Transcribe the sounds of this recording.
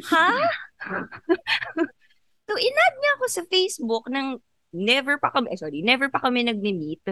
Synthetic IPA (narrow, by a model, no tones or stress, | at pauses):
ha | soʔɪnad̪̚ɲɐɐko̞sɐfejsbʊknɐŋ | nɛvɛɹpɐkɐmɛʔjsoɾinɛvɛɹpɐkɐmɛnɐɡ̚mɪmit̪̚